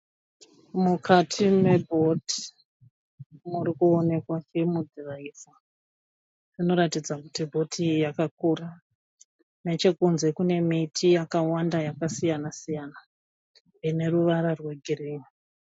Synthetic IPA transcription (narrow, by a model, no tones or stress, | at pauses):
mukʰatʰime̞bʱo̞ti̥ | murikuone̞kwat͡ʃimud͡ziraisa | rino̞ɾatid͡zakutibʱo̞tʰijakak̚ura | ne̞t͡ʃe̞kunze̞kune̞mitʰijakawandajakasijanasijana | ine̞ruʋaɾarwe̞ɡʱiriːɲi